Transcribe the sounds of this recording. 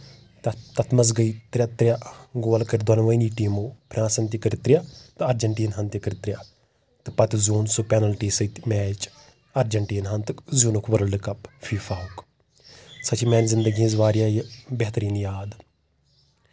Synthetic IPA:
t̪ɐt̪ɐt̪ʰmɐz̬ɡɐit̪ɾʲɐt̪ɾʲjaɡoːlkɐɾd̪ɐnʋɐjniːʈiːmoːpʰɾãːnsɐnt̪ikəɾt̪ɾʲijat̪ɨɐɾd͡ʒɐɳʈiːnɦɐnt̪ikɐɾt̪ɾʲja | t̪ɨpɐt̪ʲzʲuːnsupɛnɐlʈiːsɐt̪mɛːt͡ʃ | ɐɾd͡ʒɐɳʈiːnɦɐnt̪ɨkzuːnukʰʋɐɾɐlɖɨkɐpfiːfaːɦuk | sɐt͡ʃʰimɛːnzɪnd̪ɐɡiĩnzʋaːɾijaːjibɛɦt̪ɐɾiːnjaːd̪

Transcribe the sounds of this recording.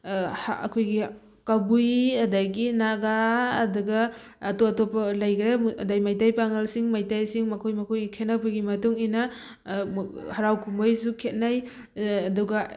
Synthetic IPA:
hɐkʰojɡi | kabujɐdaɡinaɡaːduɡɐː | toɐtopɐlajkɾeɐdajmajtajpaŋɐlsiŋmajtajsiŋmɐkʰojmɐkʰojɡikʰet̚napʰɯɡimɐtuŋina | hɐɾawkʰumbojsukʰet̚najː | duɡɐ

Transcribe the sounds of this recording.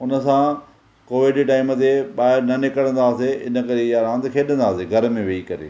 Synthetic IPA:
ʊnə̆sã | koːʋɪɖʈaːɪmət̪ʰeɓaːɦɪɾnɐnɪkəɽə̃nd̪aːseɪ̰nə̆kɐɾejaɾãːnd̪kʰeːɗə̃nd̪aːseɡʱɐɾmẽʋeikɐɾḛː

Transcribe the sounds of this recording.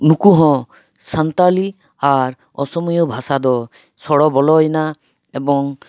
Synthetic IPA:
nukuɦɔ̃ | sant̪ali | aɾ | ɔ̰sɔmujɔbʱasad̪ɔ | sɔɽɔbɔlɔjna | ebɔŋ

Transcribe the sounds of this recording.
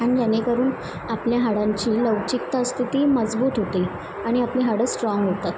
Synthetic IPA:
aɽ̃id͡ʑanekəɾuːn | apljaɦaɽaɲt͡ɕiːləʋt͡ɕik̚t̪ast̪ʰit̪iːməd͡zbuːt̪ɦot̪iː | aɽ̃iapliɦaɽəːsʈɾɔŋɡɦot̪at̪

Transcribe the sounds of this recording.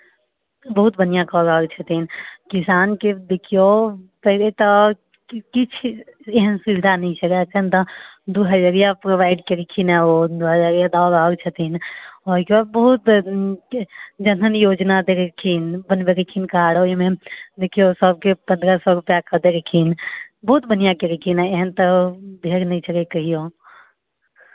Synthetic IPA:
bəɦut̪bənijãkɔɾəɦəɡt͡ʃʰət̪inkisaːnked̪ekʰijopəɦlet̪ɔ | kit͡ʃʰeɦənsiɾd̪ʱanəɦĩt͡ʃʰəkat͡ʃʰənt̪ɔd̪uɦəd͡ʒaɾijapɾoʋaɪɖkeɾekʰinɛod̪uɦəd͡ʒaɡijad̪aɾəɦəɡt͡ʃʰət̪inɔkebad̪̚bəɦut̪ | d͡ʒənɦənjod͡ʒnad̪eɾkʰinbənbeɾekʰinkaɽoimẽd̪ekʰijosəb̚kepə̃nd̪ɾəsɔɾupjakəd̪eɾekʰinbəɦut̪bənijakeɾekʰinɛeɦənt̪əbʱeɾnəit͡ʃʰəkekəɦijo

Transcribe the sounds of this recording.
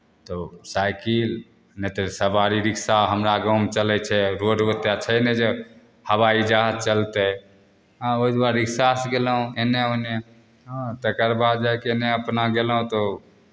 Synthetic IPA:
t̪osajkil | nɛt̪osəbaɾiɾiksaɦəmɾaɡəwmt͡ʃəlɛt͡ʃʰɛɾoɖot̪jat͡ʃʰəned͡ʒe | həʋaid͡ʒaɦət͡ʃəlt̪e | ɦoid̪waɾːiksasɡelɦũeneon | ãt̪ekəɾbad̪̚d͡ʒajkeeneəpnaɡelɦũt̪o

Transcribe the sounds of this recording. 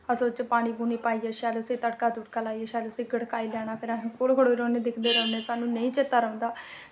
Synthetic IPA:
əsoːt͡ʃəpaːɽ̃iːbuːniːpaːiːeʃaːleːʊsĩːt̪əɽkaːd̪ʊʈ̚kaːlaːiːeʃaːleʊsĩːɡəɽkaːiːlɛːɽ̃aːpʰɪɾãkolkoɽoːɾoːneːd̪ɪkʰd̪eːɾəʊneːsaːnũːnəĩːt͡ʃet̪ːaːɾəõːnd̪aː

